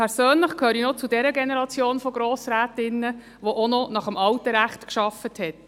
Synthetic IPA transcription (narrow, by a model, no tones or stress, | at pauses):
pʰɛɾsøːnləχkʰhøːɾinɔt͡sudɛɾəɡɛnɛɾɑt͡sjoːnfɔɡ̥ɾoːsɾæːtɪnːə | ʋoʔonɔnɑχəmɑwtəɾæχtkʃɑfəthɛt